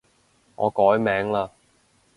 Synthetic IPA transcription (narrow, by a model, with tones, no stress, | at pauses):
ŋɔ̰ː˨˧kɔː˨˥jmɛː˨˥ŋlaː˧